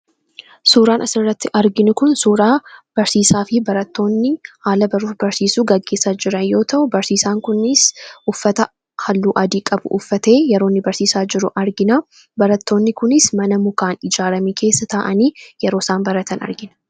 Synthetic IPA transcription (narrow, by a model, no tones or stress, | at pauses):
suːɾaːnʔɐsɪrːɐt̪ːɪʔɐɾɡɪnʊkʊnsuːɾaːb̥ɐɾsiːsaːfɪbɐɾɐt̪ːo̞ːnːɪhaːlɐbɐɾuːbɐɾsiːsuːɡɐɡːe̞sad͡ʒɪɾɐnjo̞ːt̪ʰɐʔʊbɐɾsiːsaːŋkʊnɪsʔʊfːɐt̪ɐ | hɐlːuːʔɐd̪iːkʼɐbʊ̰ʔʊfːɐt̪e̞ːjɛɾoːnːɪbɐɾsiːsaːd͡ʒɪɾʊʔɐɾɡɪnɐ | bɐɾɐt̪ʰːo̞ːnːɪkʊnɪsmɐnɐmʊkaːnɪd͡ʒaːɾɐmiːkʰe̞ːsːɐt̪ɐʔɐniːjɛɾo̞ːsaːnbɐɾɐt̪ʰɐnɐ̰ɾɡɪnɐ̥